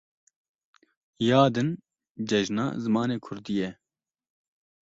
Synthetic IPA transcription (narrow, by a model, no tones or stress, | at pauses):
jɑːd̪ɨn | d͡ʒɛʒnɑ̰ːzɨmɑːneːkʰʊɾd̪ijɛ